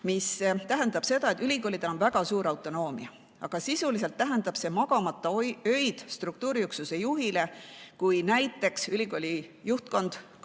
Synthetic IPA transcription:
mist̪æɦe̞nd̪̥ɑb̥se̞d̪ɑe̞t̪ːˑylʲikoːlʲid̪̥elonvæɡ̥ɑsuːɾɑwt̪ːˑo̞no̞ːmiɑ | ɑɡ̥ɑsisulise̞lt̪ːæɦe̞nd̪ɑb̥se̞mɑɡ̥ɑmɑt̪ːˑɑøjd̪̥st̪ruk̚t̪uːɾijuksuse̞juɦile̞kujnæjt̪ːˑe̞ksylʲiɡ̥o̞lʲijuht̪̚ko̞nd̪̥

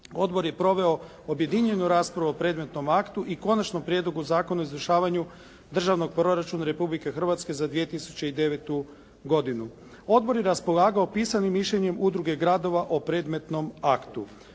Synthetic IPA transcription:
o̞d̪bo̞ɾjepɾo̞ʋe̞o̞ | obje̞d̪iɲe̞nuɾaːspɾaʋuopɾe̞ːd̪me̞t̪no̞makt̪uʔiko̞nat͡ʃnompɾje̞d̪lˠo̞ɡuzaːko̞naizʋɾrʃaːʋaɲu | d̪r̩ʒaʋno̞ɡ̚pɾo̞ɾat͡ʃunaɾe̞publike̞xr̩ʋat̪ske̞zad̪ʋije̞t̪isu̥t͡ɕeid̪e̞ʋet̪u | ɡo̞d̪inu | o̞d̪bo̞ɾje̞ɾaspo̞lˠaːɡao̞piːsanimːiʃʎeɲe̞mud̪ɾuɡe̞ɡɾad̪o̞ʋaʔo̞pɾe̞ːd̪me̞t̪no̞makt̪u

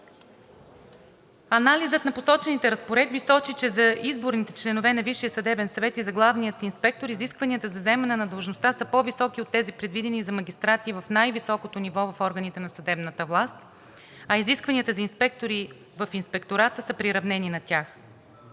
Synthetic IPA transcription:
ɐnalizət̪nɐposɔt͡ʃɛnit̪ɛɾəspoɾɛd̪̚bisɔt͡ʃit͡ʃɛzɐʔizboɾnit̪ɛt͡ʃlɛnovɛnɐviʃijəsɐd̪ɛbɛnsɐvɛt̪izɐɡlˠavnijət̪inspɛk̚t̪oɾiziskvɐniət̪əzɐzɛmɛnɛnɐd̪lˠʒnost̪asəpɔvisɔk̟iot̪ːɛzipɾɛd̪vid̪ɛnizɐmɐɡʲist̪ɾat̪ivəfnajvisɔkot̪onivɔvɐfɔɾɡənit̪ɛnɐsɐd̪ɛbnət̪əvlˠast̪̚ | ɐiziskvɐniət̪əzɐinspɛk̚t̪oɾi | vəfinspɛkt̪oɾat̪əsəpɾiɾɐvnɛninɐt̪ʲax

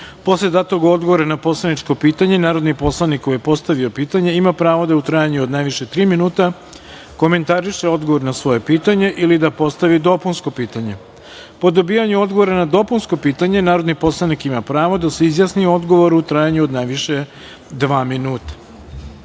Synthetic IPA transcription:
po̞sled̪at̪o̞ɡo̞d̪ɡoʋoɾanapo̞slanit͡ʃko̞piːt̪aɲe̞naːɾo̞d̪nipo̞slˠanikːojepo̞st̪aʋio̞piːt̪aɲe̞imapɾaːʋo̞d̪aut̪ɾajaɲuod̪najʋiʃet̪ɾiːminuːt̪a | ko̞me̞nt̪aɾiʃeo̞d̪ɡoʋo̞ɾnasʋo̞je̞piːt̪aɲe̞ʔilid̪apo̞st̪aʋid̪o̞punsko̞piːt̪aɲe̞ | po̞d̪obiːjaɲuo̞d̪ɡoʋo̞ɾanad̪o̞punsko̞piːt̪aɲe̞naːɾod̪nipo̞slˠanikimapɾaːʋo̞d̪aseizjasnioo̞d̪ɡo̞ʋo̞ɾuut̪ɾajaɲuod̪najʋiʃe̞ | d̪ʋaːminuːt̪ḁ

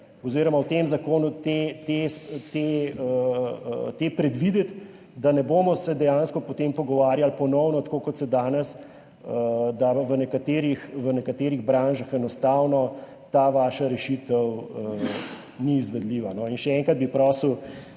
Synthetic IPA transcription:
ɔziːɾɔmawt̪emzakoːnut̪et̪est̪eə | t̪epɾɛd̪ʋid̪ɛt̪ | d̪anɛboːmɔsɛd̪ɛjãnskɔpɔt̪empɔɡɔʋaːɾjalpɔnɔwnɔt̪koːkɔt̪sɛd̪aːnɛs | əd̪aʋənɛkat̪eːɾixʋənɛkat̪eːɾiɣbɾaːnʒaxɛnɔst̪awnɔ | t̪aːʋaːʃaɾɛʃit̪əwə | niːzʋɛd̪liːʋanɔinʃɛɛŋkɾad̪̚bipɾɔːsəw

